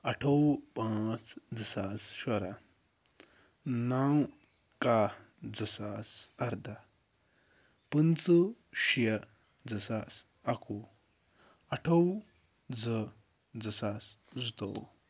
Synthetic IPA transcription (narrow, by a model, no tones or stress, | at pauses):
ɐʈʰɐwpãːt͡sd͡zəsaːsʃɐɾa | naw | ka | d͡zɐsaːsɐɾd̪a | pɨnt͡sɨʃijɐ | d͡zɐsaːs | aku | ɐʈʰɐw | d͡zə | d͡zɐsasd͡zut̪o̰w